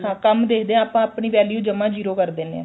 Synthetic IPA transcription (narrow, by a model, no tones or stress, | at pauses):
hãːkəmd̪eːkʰd̪eːãaːpãːapɳiːʋɛːljuːd͡ʒəmãːd͡ʒiːɾoːkəɾd̪eːneã̰ː